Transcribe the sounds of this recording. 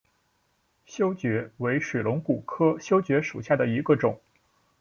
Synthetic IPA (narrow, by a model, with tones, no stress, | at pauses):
ɕjo˥ʊt͡ɕɥɛ˧˥we˧˥ɪʂwe˨˩lʊ˧˥ŋku˨˩kʰɤ˥ɕjo˥ʊt͡ɕɥɛ˧˥ʂu˨˩ɕja˥˩d̪ə˩i˧˥ɡə˧ʈ͡ʂʊ˨˩˦ŋ